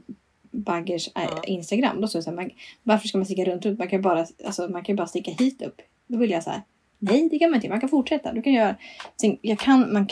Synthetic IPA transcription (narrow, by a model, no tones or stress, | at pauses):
baɡəʂɪ̰nst̪aɡɾa̰mːd̪ɔst̪oːdɛsæːmanvaɾfœʂkamanst̪ɪkːaɾɵnt̪ɾɵnt̪mankʰanjɵbɑːɾaa̰lsɔmankʰanjɵbɑːɾast̪ɪkːahiːt̪ɵ̰pː | d̪ɔvɪljasahæ̰ɾ | nɛjd̪ɛkʰanmanɪəmankanfʊʈʂɛt̪ːa̰d̪ɵkʰanjœːɾasɛnjɑkʰanmank